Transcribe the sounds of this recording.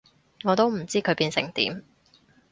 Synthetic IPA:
ŋɔː˨˧t̪o˥wm̩˨˩t͡siː˥kʰɵ˨˧ɥpiː˧nsɪ˨˩ŋt̪ḭː˨˥m

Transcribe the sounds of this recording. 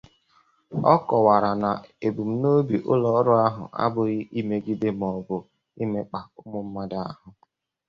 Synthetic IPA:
ɔ̰˦kɔ˨wa˨ɾa˨na˨e˨bu˨m̩˦no˦bi˨ʔʊ̰˦lɔ˦ɾʊ˦a˦ɦʊ˨ʔa̰˦bʊ˨ɣɪ˦ʔi˦me˦ɡi˦de˦m̩˨ɔ˨bʊ˨ | i˦me˦k͡pa˨ʊ˦mʊ˨m̩˦ma˦da˨a˦ɦʊ˦

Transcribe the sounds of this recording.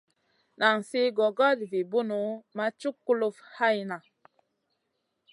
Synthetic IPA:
na˨ŋsi˦ɡɔ˨ɡɔ˦dvi˨bu˦nu˨˦ma˦t͡ʃu˦kːu˦lu˦fha˦jna˨

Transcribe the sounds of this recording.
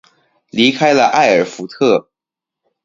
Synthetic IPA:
li˧˥kʰa˥ɪlə˧ʔa˥˩ɪə˞˨˩fu˧˥t̪ʰɤ˥˩

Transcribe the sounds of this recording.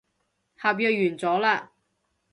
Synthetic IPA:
haː˨p̬̚jœː˧jyː˨˩nt͡sɔː˨˥laː˧

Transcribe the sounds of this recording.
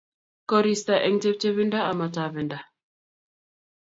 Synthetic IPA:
kɔ˦ɾi˨sta˨ʔɛ˨ŋte˦p̚t͡ʃe˦βi˦nda˦a˨ma˨ta˨vɛ˨nda˨

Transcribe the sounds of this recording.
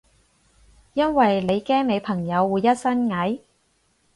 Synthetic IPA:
jɐ˥nwɐ˨jle˨˧jkɛː˥ŋme˨˧jpʰɐ˨˩ŋjɐ˨˧wːuː˨˧jːɐ˥t̚sɐ˥nŋɐ˨˥j

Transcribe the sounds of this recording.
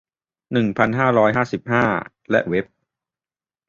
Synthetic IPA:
nɯ˨˩ŋpʰa˧nɦaː˥˩ɾɔː˦˥jɦaː˥˩si˨˩p̚haː˥˩ | lɛ˦˥ʔwe˦˥p̚

